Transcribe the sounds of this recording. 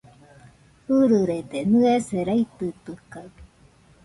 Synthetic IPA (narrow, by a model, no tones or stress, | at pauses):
hɯɾɯɾed̪enɨeseɾajt̪ɯt̪ɯkai